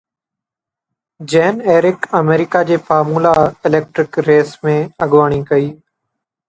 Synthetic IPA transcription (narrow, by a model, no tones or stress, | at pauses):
d͡ʒeːneːɾɪkəmeːɾɪkaːd͡ʑeːfaːmuːlaːɪleːk̚ʈɾɪkɾeːsmẽːəɠʋaːɳ̃iːkəiː